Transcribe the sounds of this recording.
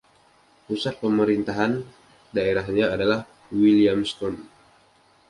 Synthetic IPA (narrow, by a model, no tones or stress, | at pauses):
pusat̪̚pəməɾint̪aɦan | daeɾaɦɲaːdalah | wiliamst̪ɔn